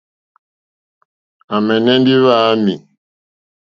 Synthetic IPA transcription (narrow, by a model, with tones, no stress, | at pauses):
a˨mɛ˨nɛ˦ndi˦βa˦mi˨